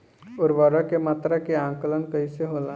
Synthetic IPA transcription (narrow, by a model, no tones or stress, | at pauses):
ʊɾʋəɾəkemaːt̪ɾakeãːŋkələnkɐiseɦoːla